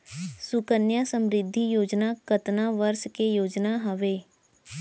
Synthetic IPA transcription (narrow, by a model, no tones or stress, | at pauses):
sʊkənjasəmɾɪd̪ʱːijoːd͡ʒnakət̪naːʋəɾskejoːd͡ʒnaɦəʋeː